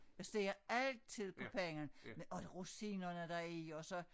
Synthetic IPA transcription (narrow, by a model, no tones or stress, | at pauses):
jasd̥e̝ːɐælt͡sʰið̞̰ˠpʰɒ̽pʰeŋɐnmɒʁusinɐnəd̥ɑiɒ̽sɒ̽